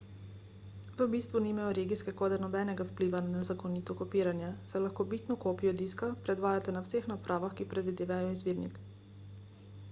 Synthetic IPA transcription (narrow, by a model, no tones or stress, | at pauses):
ʋəbist̪ʋunimajɔɾeɡiskɛkoːd̪ɛnɔbɛnɛɡawpliʋananɛzakoniːt̪ɔkɔpiːɾanjasɛlaxkoːbit̪nɔkoːpijɔd̪iːskapɾɛd̪ʋaːjat̪ɛnawsexnapɾʔaːʋaxkipɾɛd̪ʋid̪eːʋajɔizʋiːɾnḭk